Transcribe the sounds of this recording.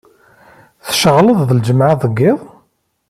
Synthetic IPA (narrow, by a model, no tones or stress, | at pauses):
θʃəʁləðˤðəld͡ʒəmʕaðˤəɡːɪðˤ